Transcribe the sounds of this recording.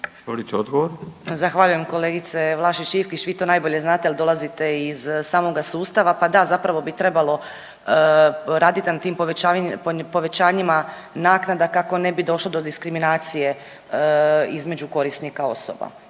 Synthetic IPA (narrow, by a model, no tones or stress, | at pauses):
st̪ʋolit̪eod̪ɡoʋoɾzaxʋaʎuje̞mko̞leːɡit̪seʋlˠaʃit͡ʃifkit͡ɕʋiːt̪onaːjbo̞ʎe̞znaːt̪eald̪o̞lˠazit̪e̞izsaːmo̞ɡasuːst̪aʋapad̪azapɾaʋo̞bit̪ɾe̞balˠo̞ | ɾaːd̪it̪inat̪iːmpoʋapopo̞ʋe̞t͡ɕaːɲima | naːknad̪akako̞ne̞bid̪o̞ʃlˠod̪od̪iskɾiminaːt̪sije | izme̞d͡ʑuko̞ɾisnikao̞soba̰